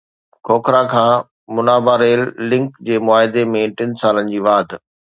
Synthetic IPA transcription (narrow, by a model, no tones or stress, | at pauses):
kʰoːkʰɾakʰãː | mʊnaːbaɾeːlːɪ̃ŋkd͡ʑeːmʊaːɦɪd̪emẽʈɪnsaːlənɪ̆d͡ʑiːʋaːd̪ʱ